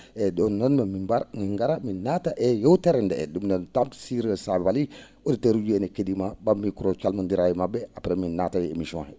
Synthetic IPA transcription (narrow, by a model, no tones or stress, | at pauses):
edonːonmamimbaɾniŋɡaɾaminataʔejowteɾendḛdumnontamsiɾəsabbali | oditeɾud͡ʒuenekedimabamikuɾot͡ʃalmundiɾajimabeapɾeminːatajeemiʃõhɛ